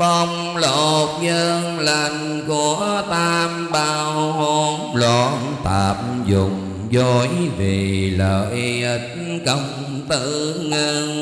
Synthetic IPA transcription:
ɓɔ˧ŋ͡m | lo˨˩t̚ɲəː˧ŋlə˨˩n | ku˨˦ət̪aː˧mɓa˧who˧mlɔ˧˦ | t̪aː˨˩p̚zʊ˨˩ŋ͡m | zɔ˧˩jve˨˩ləː˨˩ʔi˧ʔə˨˦t̚kə˧˩wŋ͡m | t̪ɨ˧˨ŋəː˧ŋ

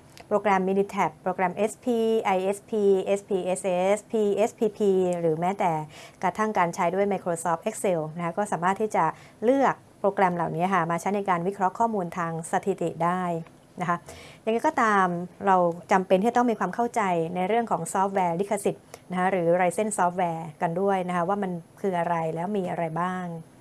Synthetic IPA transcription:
pɾoː˧kɾɛ˧mːiː˧ni˧t̪ʰɛ˨˩pːɾoː˧kɾɛ˧mʔe˦˥spʰiː˧ʔa˧jʔe˦˥spʰiː˧ʔe˦˥spʰiː˧ʔe˦˥sʔe˦˥spʰiː˧ʔe˦˥spʰiː˧pʰiː˧ɾɯː˩˦mɛː˦˥t̪ɛː˨˩kɾa˧t̪ʰa˥˩ŋkaː˧nt͡ɕʰaː˦˥jdu˥˩əjma˧jkʰɾoː˧sɔː˦˥p̚ʔe˦˥k̚se˧wn˦˥kʰa˦˥kɔː˥˩saː˩˦maː˥˩t̪ʰːiː˥˩t͡ɕa˨˩ | lɯ˥˩ək̚pɾoː˧kɾɛ˧mlaː˨˩wni˦˥ɐkʰa˥˩maː˧t͡ɕʰa˦˥jna˧jkaː˧nwi˦˥kʰɾɔ˦˥kʰɔː˥˩muː˧nt̪ʰaː˧ŋsa˧t̪ʰi˨˩t̪ḭ˨˩daː˥˩j | na˦˥kʰa˦˥ja˨ŋa˦˥jkɔː˥˩t̪aː˧mɾa˧wt͡ɕa˧mpe˧nʰiː˥˩a˨t̪ɔ˥˩ŋmiː˧kʰwaː˧mkʰa˥˩wt͡ɕa˧jna˧jɾɯ˥˩əŋkʰɔː˩˦ŋsɔː˦˥p̚wɛː˧li˦˥kʰa˧si˨˩t̪̚na˦˥kʰa˦˥ɾɯː˩˦ɾa˧jse˥˩nsɔː˦˥p̚wɛː˧ka˧ndu˥˩əjna˦˥kʰa˦˥waː˥˩ma˧nkʰɯː˧ʔa˧ɾa˧jlɛː˦˥wmiː˧ʔa˧ɾa˧jbaː˥˩ŋ

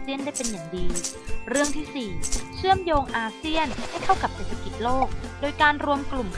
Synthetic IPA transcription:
si˥˩əndaː˥˩jpe˧njaː˨˩ŋdiː˧ɾɯ˥˩əŋt̪ʰiː˥˩siː˨˩t͡ɕʰɯ˥˩əmjoː˧ŋʔaː˧si˥˩ənha˥˩jk̪ʰa˥˩wka˨˩p̚seː˨˩t̪ʰa˧ki˨˩t̪̚loː˥˩k̚doː˧jkaː˧nɾu˧əmklu˨˩mkʰ

